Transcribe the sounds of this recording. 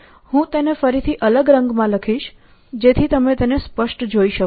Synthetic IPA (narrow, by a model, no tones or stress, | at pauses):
hũt̪enefəɾit̪ʰiʔələɡɾəŋɡmãləkʰiʃ | d͡ʒet̪ʰit̪əmet̪enespəʃʈd͡ʒoiʃə